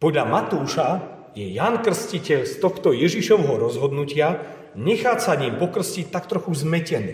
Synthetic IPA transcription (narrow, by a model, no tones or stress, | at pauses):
pɔd̪ʎamat̪uːʃa | jɛjankr̩scicɛʎst̪ɔxt̪ɔjɛʒiʃɔʋɦɔɾɔzɦɔd̪nucɪa | ɲɛxaːt͡saɲipɔkr̩scict̪akt̪ɾɔxuzmɛcɛnḭː